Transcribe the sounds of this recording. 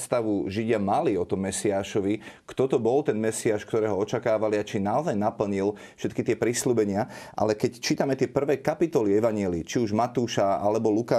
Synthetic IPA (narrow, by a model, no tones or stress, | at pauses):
st̪aʋuʒiɟɪamaliɔt̪ɔmːɛsiaːʃɔʋikt̪ɔt̪ɔbɔlt̪ɛnmɛsiaːʃkt̪ɔɾɛːɦɔɔt͡ʃakaːʋaliat͡ʃinaɔzajnapl̩ɲil | fʃɛt̪kit̪ɪɛpɾisluːbɛɲɪaʔa̰lɛkɛct͡ʃiːt̪amɛt̪ɪɛpr̩ʋɛːkapit̪ɔliɛʋaɲɪɛliːt͡ʃiuʒmat̪uːʃaalɛbɔlukaː